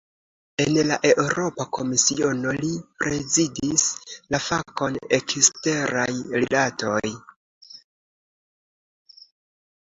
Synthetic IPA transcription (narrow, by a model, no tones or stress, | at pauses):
e̞nlaʔe̞ʔuɾo̞pako̞misio̞nolipɾe̞zidislafako̞ne̞kiste̞ɾajɾilato̞j